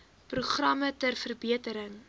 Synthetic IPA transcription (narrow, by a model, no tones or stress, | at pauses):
pruχrɐmətərfərbiətəɾəŋ